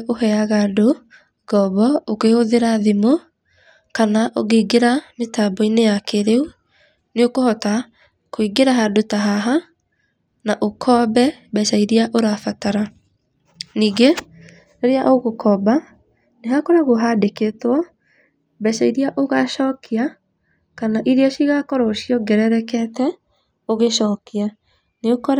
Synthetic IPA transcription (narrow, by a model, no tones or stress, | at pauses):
ohɛaɣado | ɡɔβɔokehoðeɾaðemo | kanaʔoɣeiɡeɾametabɔinejakeɾeu | neokohɔta | koiɡeɾaɦadotaɦaɦa | naʔokʰɔbɛbɛsaiɾiaʔoɾafataɾa | niːɡe | eɾeaʔoɣokʰɔba | neɦakɔɾaɣoɦadeketwɔ | bɛsaiɾiaʔoɣaʃɔːkʰia | kanaʔiɾiaʃiɣakɔɾɔʃiɔɡɛɾɛɾɛkɛtɛ | oɣeʃɔːkia | neokɔɾ